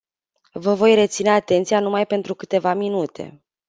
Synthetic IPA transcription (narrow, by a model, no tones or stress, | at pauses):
vəvo̞jre̞t̪sine̞at̪e̞nt̪sijanumajpe̞nt̪ɾukɨt̪e̞vaminut̪ʰe̞̰